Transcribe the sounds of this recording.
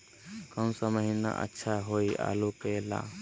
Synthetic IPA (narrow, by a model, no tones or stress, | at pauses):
kəmsəməɦina̰ʔə̰tːʃʰaɦoːiʔa̰ːlokela̰